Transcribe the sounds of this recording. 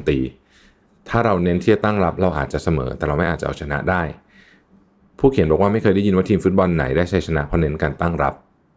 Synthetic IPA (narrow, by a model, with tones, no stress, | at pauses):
t̪iː˧ | t̪ʰaː˥˩ɾa˧wne˦˥nt̪ʰi˥˩t̪a˥˩ŋɾa˦˥p̚ɾa˧wʔaː˨t̪̚t͡ɕa˨ʔsa˧mɤ̰ː˩˦t̪ɛː˨˩ɾa˧wma˥˩jʔaː˨˩t͡ɕa˨ʔa˧˩˨t͡ɕʰa˧na̰˦˥ʔdaː˥˩j | pʰuː˥˩kʰi˨˩˦nbɔː˨˩k̚waː˥ma˥˩jkʰɤː˧jda˥˩ji˧nwaː˦˥˩t̪ʰiː˧mfu˦˥t̪̚bɔ˧nːa̰˩˦jdaː˥˩jt͡ɕʰa˦˥jt͡ɕʰa˧na˦˥ʔpʰɔ˦˥ne˦˥nkaː˧nt̪a˥˩ŋɾa˦˥p̚